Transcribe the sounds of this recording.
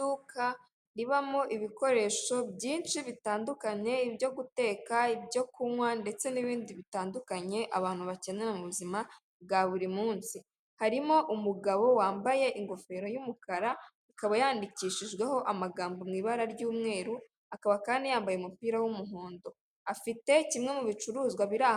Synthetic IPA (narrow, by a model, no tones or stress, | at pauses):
uka | ɾiβamoʔiβiko̞ɾe̞ʃo̞bjiːnʃiβitaːndukaɲe̞ibjo̞ɡute̞ːkaibɟo̞kumwande̞t͡se̞niβiːndiβitaːndukaɲe̞ʔa̰βaːn̥huβace̞ɲenamuβuzima | b̚ɡaβuɾimuːnsi | haɾimo̞ʔumuɡaβo̞waːmbaje̞ʔiŋɡo̞fe̞ːɾo̞jumukaɾa | ikaβajaːndiciʃiʒɡwe̞ho̞ʔamaɡaːmbomŋiːβaɾaɾɟuːmŋe̞ːɾu | akaβakaːndijaːmbajeumupiːɾawumuɦoːndo̞ | afite̞cimŋe̞muβit͡ʃuɾuːzɡwaβiɾa